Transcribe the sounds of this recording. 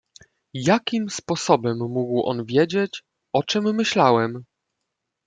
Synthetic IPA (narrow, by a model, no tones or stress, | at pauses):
jakʲimspɔsɔbɛmːuɡwʔɔ̰nvʲjed͡ʑet͡ɕ | ɔt͡ʂɛmːɘɕlawɛm